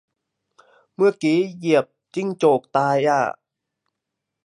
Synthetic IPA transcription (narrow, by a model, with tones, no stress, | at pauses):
mɯ˧˩əkiː˨˩˦ji˨˩əp̚t͡ɕi˧˩ŋt͡ɕoː˨˩k̚t̪aː˧jaː˧˩